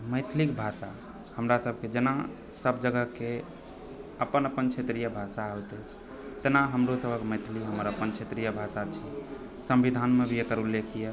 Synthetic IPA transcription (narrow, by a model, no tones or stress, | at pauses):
məɪt̪ʰlikbʱasa | həmɾasəb̚ʱked͡ʒena | səbd͡ʒəɡəɦke | əpənəpənt͡ʃʰet̪ɾijəbʱasaɦojt̪ɛt͡ʃʰ | t̪enaɦəmɾosəbʱəkməjt̪ʰliɦəməɾəpənt͡ʃʰet̪ɾijəbʱasat͡ʃʰi | sə̃mbid̪ʱanmebʱijekəɾulːekʰije